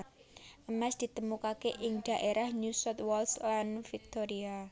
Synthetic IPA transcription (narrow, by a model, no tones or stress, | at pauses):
ʔəmɛsd̪̥i̤t̪əmukakeʔɪŋɖ̪̥a̤ʔeɾahɲusɔt̪wɔlslanfik̚t̪oɾia